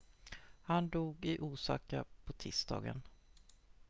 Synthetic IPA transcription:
hand̪uːɡɪʔuːsɑːkapʰɔt̪ʰɪːst̪ɑ̰ːɡə̰n

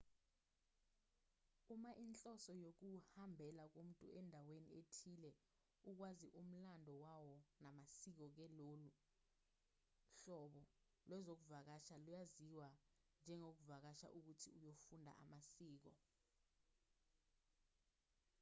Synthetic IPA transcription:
umaʔint͡ɬʼɔsɔjok̬uhambʱɛlak̬um̩tʼuɛndʱawenietʰilɛ | uk̬waziʔum̩landʱɔwawɔnamasik̬ɔk̬ɛlolu | ɬɔɓɔ | lwɛzok̬uvak̬aʃalujaziwa | nd͡ʒʱɛŋok̬uvak̬aʃa̰ʔuk̬utʰiujofundʱa̰ʔa̰masiːk̬ɔ

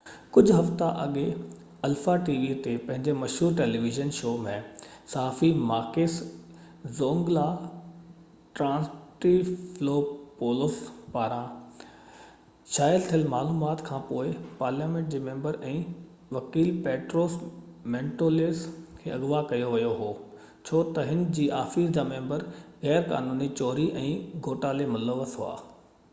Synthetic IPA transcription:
kʊd͡ʑʱʊɦɐft̪aʔɐɠe | ɐlfaʈiːʋit̪epɐ̃ɦɪ̃ɲd͡ʑemɐʃɦuːɾʈeːliʋɪʒənʃoːmẽsaːfimaːkeːs | zoːŋɡla | ʈɾãːsʈifloːpoːlospaːɾã | ʃaːjəlt̪ʰijəlmaːluːmaːt̪kʰãːpoːɪpaːɾljaːmẽːɳʈ̚d͡ʑeːmẽːmbəɾɛ̃ː | ʋɐkiːlpɛːʈɾoːsmẽːɳʈoːleːskʰeːɐɣʋakɐjoʋijoɦoː | t͡ɕʰoːt̪ɐɦɪnd͡ʑiːʔaːfiːsd͡ʑaːmẽːmbəɾɣɛːɾka̰ːnuːnit͡ɕɔːɾiʔɛ̃ːɡʱoːʈaːlemʊləʋəsɦʊa̰ː

